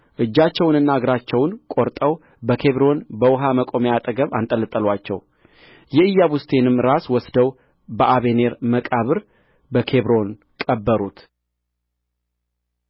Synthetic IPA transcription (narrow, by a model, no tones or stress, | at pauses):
ʔɨd͡ʒːat͡ʃːɛwnɨnːaɡɾat͡ʃːɛwnkʼo̞ɾt̪ʼəw | bəkʰe̞βɾo̞nbəwɦaməkʼo̞mejat̪ʼəɡəβa̰nt̪ʼələt̪ʼːəlwat͡ʃːɛ̰w | jɛɨjːaβust̪ʰe̞nɨmɾaswɔsd̪əw | bəʔaβe̞ne̞ɾməkʼaβɨɾ | bəkʰe̞βɾo̞n | kʼəbːəɾut̪